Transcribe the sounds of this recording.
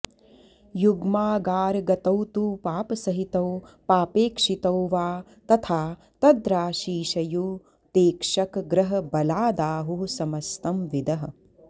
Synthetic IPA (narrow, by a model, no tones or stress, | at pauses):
juɡmaːɡaːɾɡɐt̪ɐwt̪uːpaːpɐsɐɦit̪ɐwpaːpeːkʂit̪ɐwʋaː | t̪ɐt̪ʰaː | t̪ɐd̪ɾaːʃiːʃɐjuː | t̪eːkʂɐkɡɾɐɦɐ̆bɐlaːd̪aːɦusɐmɐst̪ɐmʋid̪ɐɦɐ̆